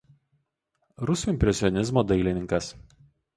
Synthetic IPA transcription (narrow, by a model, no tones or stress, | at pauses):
ɾʊsʲuːˑɪmʲpʲɾʲɛsʲɪɔnʲɪzmoːd̪ɐɪlʲɪnʲɪŋkɐs